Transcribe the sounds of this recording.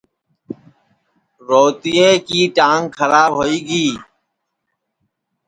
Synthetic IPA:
ɾoːt̪ijẽːkiːʈãːŋɡkʰəɾaːbɦoːiːɡiː

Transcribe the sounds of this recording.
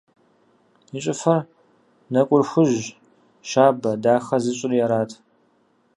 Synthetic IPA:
iɕʼɪfɐr | nɐkʷʼʊrxʷʊʑ | ʃaːbɐdaːxɐzɨɕʼɪrjɛɾaːtʰ

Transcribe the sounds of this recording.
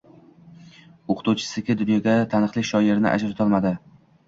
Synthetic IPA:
oqʰt̪uwt͡ʃʰɪ̥sɪkʲɪd̪ʊnjɒɡʲat̪ʰanɨqlˠɪkʲʃɒjeɾnɪ̰ʔa̰d͡ʒɾʊt̪ʰɒlˠmad̪ɪ

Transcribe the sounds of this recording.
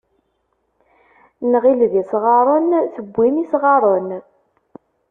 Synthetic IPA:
nəʁilðisʁɑɾˤənθəbʷːimisʁɑɾˤən

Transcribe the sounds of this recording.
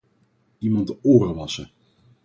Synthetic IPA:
imɑntoːrəʋɑsə

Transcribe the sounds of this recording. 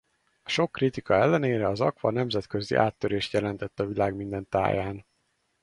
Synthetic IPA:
ɒʃo̞kːrit̪ikɒɛlːɛneːɾɛɒzɒkʋɒnɛmzɛt̪kø̞zḭʔa̰ːt̪ːøɾeːʃt̪jɛlɛnt̪ɛt̪ːɒvilaːɡmind̪ɛnt̪a̰ːjaːn

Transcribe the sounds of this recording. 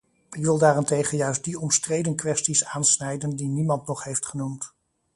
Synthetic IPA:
ɪkʋɪlˠdaːrɪntejχənjœɥsd̚diɔmstrejdənkʋɛstisaːnsnɛjdəndinimɑntnɔχɦejftχənumt

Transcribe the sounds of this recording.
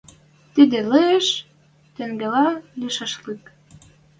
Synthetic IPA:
t̪id̪ĕlɤeʃ | t̪ĕŋɡĕlɑlʲiʃɑʃlik

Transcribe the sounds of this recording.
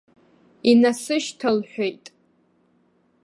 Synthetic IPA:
inasɨʃtʰalħʷᶣejtʼ

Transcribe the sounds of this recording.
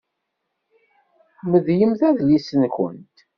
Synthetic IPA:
məðjəmθæðlisənçə̰nt̪

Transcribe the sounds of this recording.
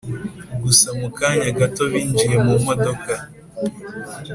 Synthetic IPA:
ɡusamukaɲaɡato̞βiːnd͡ʒije̞mumo̞do̞ka

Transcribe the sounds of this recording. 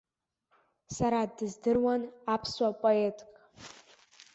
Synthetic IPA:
saɾadɨzdɨrwanapʰswapʼoe̞tʼkʼ

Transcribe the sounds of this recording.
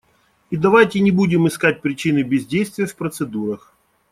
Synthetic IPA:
id̪ɐvajtʲɪnʲɪbudʲɪmɨskat̚ʲpɾʲɪt͡ɕinɨbʲɪzʲdʲejst̪vʲɪjəfpɾət̪sɨd̪uɾəx

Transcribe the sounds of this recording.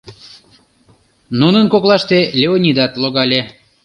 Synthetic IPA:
nunənkoklɑʃt̪elʲeonʲid̪ɑt̪loɣɑlʲe

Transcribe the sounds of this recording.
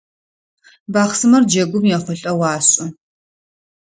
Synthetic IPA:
baːχsɨmɐrd͡ʒɐɡʷʊmjaχʷɔɬʼɐwaːɕʼʊ

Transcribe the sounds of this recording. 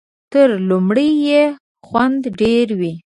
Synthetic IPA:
t̪əɾlumɽəjje | xwand̪ɖeɾwi

